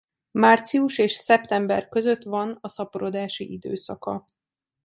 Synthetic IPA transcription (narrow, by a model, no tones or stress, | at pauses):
maːrt̪siuʃeːʃsɛpt̪ɛmbɛrkø̞zø̞t̪ʋɒnɒsɒpoɾod̪aːʃḭʔid̪ø̰ːsɒ̰kɒ̰